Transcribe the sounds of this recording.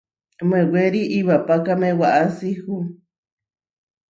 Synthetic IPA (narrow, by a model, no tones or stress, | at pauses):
mẽweɾiʔiβapakamẽwaʔasihu